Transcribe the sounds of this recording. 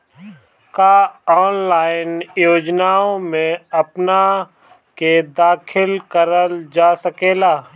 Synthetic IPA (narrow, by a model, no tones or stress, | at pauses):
kaːɔːnlaːɪnjoːd͡ʒnaːõmẽɐpna | ked̪aːkʰɪlkəɾəld͡ʒaːsəkeːlaː